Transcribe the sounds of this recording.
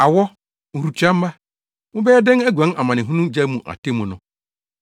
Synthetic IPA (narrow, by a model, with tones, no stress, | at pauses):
a˨wɔ˦ | ŋ̩˨ɾu˨t͡ɕʰᶣã˦m̩˦ma˦ | mʊ̃˦bɛ˦ɛ˦dɪ̃˦næ˦ɡʷã˨˦na˨mã˨nɪ̃˨ɦũ˦nũ˦d͡ʑa˦mũ˨ʔa̰˨tʰe˦mũ˨nʊ̃˦